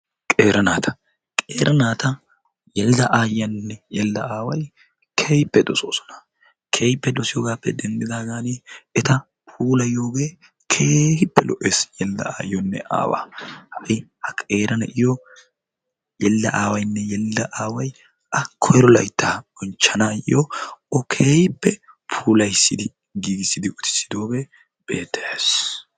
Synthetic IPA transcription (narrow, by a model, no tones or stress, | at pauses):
kʼeːɾɐnaːt̪ʰɐ̥ | kʼeːɾʔɐnaːt̪ɐ | jɛld̪ɐʔaːjjɐnːɛjɛlːɐaːwɐj | kʰeːjpːɛd̪ɔso̞̰ːsɔ̥nɐ̥ | kʰe̞ːjpːɛd̪ɔsɪjɔɡaːpːɛd̪ɛnd̪ɪd̪aːɡaːnɪɛt̪ɐ | pʰuːlɐjo̞ːɡeː | kʰeːhɪpːɛlɔʔeːsjɛld̪ɐ̰a̰ːjjɔnːɛ̰ʔa̰ːwa̰ːhɐʔɪhɐkʼe̞ːɾɐnɐʔɪjɔ | jɛlːɐʔaːwɐjnːɛjɛlːɐʔaːwɐj | ʔɐkʰɔjɛɾɔlɐjt̪ːaːbɔnt͡ʃːɐnaːjɪ̰jɔɔkʰe̞ːhɪpːɛ | pʰuːlɐjsːɪd̪ɪ | ɡiːɡɪsːɪd̪ɪʊt̪ʰɪ̥sːɪ̥d̪o̞ːbɛ | b̥e̞̰ːt̪ːeeːs